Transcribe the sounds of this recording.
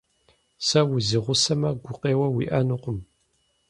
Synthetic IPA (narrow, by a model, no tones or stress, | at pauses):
sɐwʊzɨʁʷʊsɐmɐɡʷʊqeːwɐwḭʔɐnuqʷʊm